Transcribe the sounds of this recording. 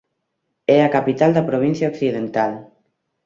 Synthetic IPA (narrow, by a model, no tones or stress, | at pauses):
ɛakapit̪ald̪apɾoβ̞inθjaoksiðent̪al